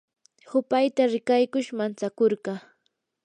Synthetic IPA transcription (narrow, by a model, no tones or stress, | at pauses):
hʊpajt̪aɾɪkajkʊʃmant͡sakoɾɢɑ